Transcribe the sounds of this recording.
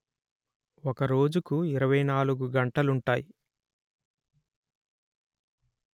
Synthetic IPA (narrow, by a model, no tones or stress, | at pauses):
ɔkɐɾo̞ːd͡ʒukuiɾɐʋɐjnaːluɡuɡɐɳʈɐluɳʈaːji